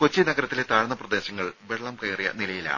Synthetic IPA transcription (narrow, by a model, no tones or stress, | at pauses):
kot͡ɕːinɐɡɐɾɐt̪ːilet̪aːɻɐnːɐprɐd̪e̞ːɕɐŋːɐɭʋe̞ɭːɐmkɐjrijɐ̰nilɐjila̰